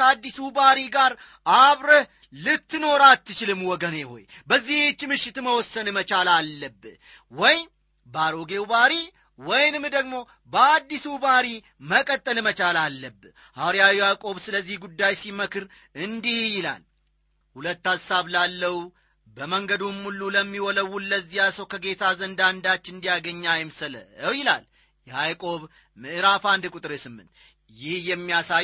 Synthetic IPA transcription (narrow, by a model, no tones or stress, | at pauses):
əad̪ːisubaɾiɡaɾ | ʔaβɾəh | lɨt̪ːɨno̞ɾat̪ːɨt͡ʃɪlɨmwɔɡəneho̞̰j | bəzːiht͡ʃːmɨʃːɪt̪məwɔsːənmət͡ʃalalːəbː | wɔj | baɾoɡe̞wbaɾi | wɔjnɨmd̪əɡmo̞ | bəad̪ːisubaɾi | məkʼət̪ʼːəlmət͡ʃʼalalːəbː | haɾijawijakʼo̞βsɨləzːihɡud̪ːajsiməkʰɨɾ | ɨnd̪ihjɪla̰l | hulət̪ːasaβlalːəwu | bəməŋɡəd̪umːulːuləmːiwɔləwːulːəzːijasəwkʰəɡe̞t̪ʰazənd̪and̪at͡ʃːɨnd̪ijaɡəɲːajɪmsələ̰əwjɪla̰l | jɛhajkʼo̞β | mɨʔɨɾafand̪ɨkʼut̪ʼɨɾesɨmːɨ̰nt̪ | jɪhjɛmːijasa